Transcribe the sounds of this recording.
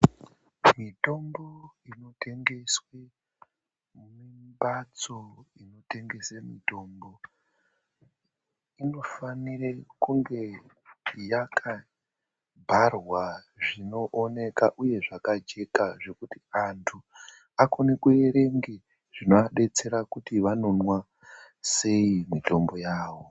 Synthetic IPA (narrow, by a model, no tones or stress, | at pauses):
mito̞mboino̞tʰe̞ŋɡe̞swe | mimbat͡so̞ino̞te̞ŋɡe̞semito̞ːmbo̞ | ino̞fanirekuŋɡe̞ | jakʰa | bʱarwa | ʐino̞ʔone̞kaʔuje̞ʐakad͡ʒe̞kaʐe̞kutiantʰu | akonekue̞ɾe̞ŋɡe | ʐ̥inoaɗe̞t͡se̞ɾakutiʋano̞nwa | se̞imito̞mbo̞jaːʋo̞